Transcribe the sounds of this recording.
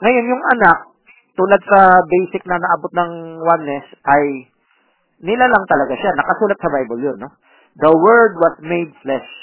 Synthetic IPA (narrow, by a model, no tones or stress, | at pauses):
ŋɐjo̞njʊŋɐnak̚ | t̪uːlad̪̚sɐbejsɪk̚nɐnɐʔɐbot̪̚nɐŋwanːɛsʔɐj | nɪlalɐŋt̪ɐlɐɡaʃanɐkɐsuːlɐt̪̚sɐbajbɐljonːo̞ | d̪ɐwɛɹd̪̚wɐsmejd̪̚flɛs